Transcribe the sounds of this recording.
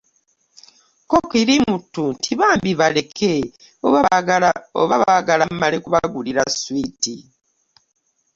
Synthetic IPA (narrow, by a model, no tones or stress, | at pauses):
kokiɾimutːuntʰiβaːmbiβale̞kʰe | oβa | o̰βaβaɡalamalekuβaɡuliɾaswiti